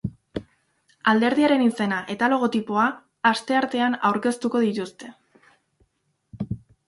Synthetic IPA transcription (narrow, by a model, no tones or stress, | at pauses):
ald̪e̞ɾðiaɾe̞nise̞naʔe̞t̪alo̞ɣ̞o̞t̪ipo̞aː | st̪e̞aɾt̪e̞anawɾke̞st̪uko̞ðit̪ust̪e̞